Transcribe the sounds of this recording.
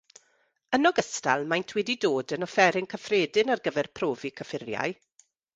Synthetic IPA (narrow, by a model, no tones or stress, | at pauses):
ənɔɡəsta̰lˠmajntʰwɛdidoːdənɔfɛɾɪŋkʰəfreːdɪnarɡəvɛrpʰroːvikʰəfɪrja̰j